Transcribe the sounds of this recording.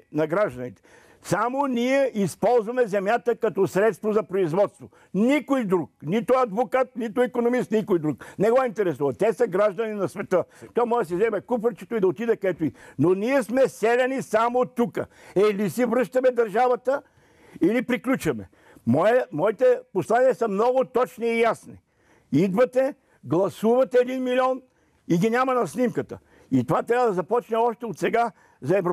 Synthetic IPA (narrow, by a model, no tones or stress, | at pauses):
nɐɡɾaʒd̪ɐnit̪ɛ̥ | samoniɛispɔlˠzvɐmɛzɛmjat̪əkɐt̪ɔsɾɛt̪st̪vozɐpɾoizvɔt̪st̪vo | nikojd̪ɾuk̚nit̪oɐd̪vokat̪̚nit̪ʊɛkonomist̪nikojd̪ɾuknɛɡɔint̪ɛɾɛsuvɐt̪ɛsəɡɾaʒd̪ɐninɐsvɛt̪ət̪oamɔɛs̬izɛmɛkupɾət͡ʃɛt̪oid̪ɐot̪id̪ɛkɐɛt̪ʊinoniɛsmɛsɛlʲɛnisamot̪ukə̰ | ɛlisivɾɤʃt̪ɐmɛd̪ɐɾʒavɐt̪ə | ilipɾiklʲut͡ʃɐmɛ̰ | mɔjəmɔit̪ɛposlˠaniəsɐmnɔɡʊt̪ɔt͡ʃniːjasnḭ | id̪vɐt̪ɛ | ɡlˠɐsuvɐt̪ɛɛd̪inmilʲiɔn | iɡʲinʲamɐnɐsnimkət̪ə̰ | it̪ovat̪ɾʲavəd̪ɐzɐpɔt͡ʃnɛɔʃt̪ɛot̪sɛɡa | zɐɛv